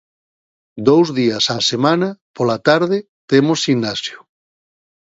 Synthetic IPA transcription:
d̪owzðiɐsasemãnɐpolat̪aɾðɪ | t̪emosinasjʊ̥

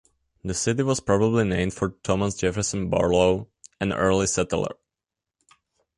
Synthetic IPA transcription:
ðəsɪtiwɔspɹɔbəblinẽɪ̃mdfɔɹtʰɔmasd͡ʒɛfə˞sə̃nbɑ̰ɹloʊ | ɛ̃nɜ̰˞lisɛtlˠə̰˞

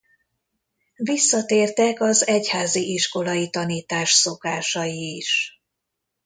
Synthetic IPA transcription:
visːɒt̪eːrt̪ɛkɒzɛchaːziʔiʃko̞lɒjit̪ɒniːt̪aːʃso̞kaːʃɒjiːʃ

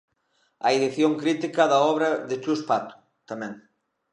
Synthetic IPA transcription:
aeðiθjoŋkɾit̪ikɐðɐɔβɾɐðɪt͡ʃuspat̪u̥ | t̪amɛ̃ŋ

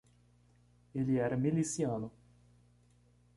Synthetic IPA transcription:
eliɛɾamilisjaːno

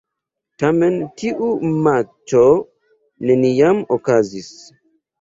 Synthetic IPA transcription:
tamentiʔumat͡ʃo | nenijamokazis

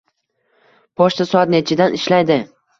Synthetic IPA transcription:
pʰɒʃt̪asɒad̪net͡ʃʰɪd̪anɪʃlajd̪ɪ

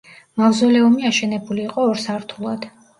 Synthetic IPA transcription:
mavzɔlɛumiaʃɛnɛbuliːqʼɔːɾsaɾt̪ʰulˠad̪̥

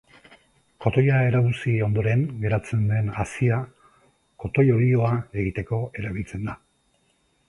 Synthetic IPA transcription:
ko̞t̪o̞jae̞ɾaɣusio̞nd̪o̞ɾe̞ŋɡe̞ɾat͡se̞nd̪e̞nasia | ko̞t̪o̞jo̞ɾio̞ae̞ɣ̞it̪e̞ko̞e̞ɾaβ̞ilt͡se̞nd̪a

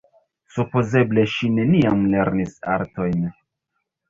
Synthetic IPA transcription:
supoze̞ble̞ʃine̞niamle̞ɾnisa̰ɾto̞jn

